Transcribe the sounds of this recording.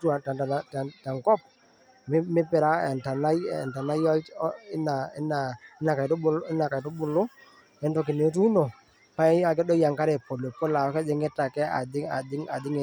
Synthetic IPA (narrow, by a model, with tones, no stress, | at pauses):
tu˦a˨ta˨a˨ta˨ta˨ŋkɔ˦p̚ | m˦mɪ˦pɪ˨ɾa˦ɛ˨nta˨na̰˦˨nta˨na˦jɔ˦ɪ˦na˨ɪ˦na˨ɪ˦na˨ka˨tblɪ˦na˨ka˨i˨tu˦bʊ˨lʊ˦ | ɛ˨n˦tɔ˨k̬ɪ˨ne˨˦t̬u˦i˦no˨ | pa˦ɛ˦a˨k̬ɛ˦dɔ˦ja˨ŋka˦ɾɛ˨po˨lɔ˨po˦la˨˦kɛ˦d͡ʒɛ˨ŋɡɛ˦ta˨kɛ˦a̰˨dɪ˦a˨dɪ˦ŋa˨dɪ˦ŋe˨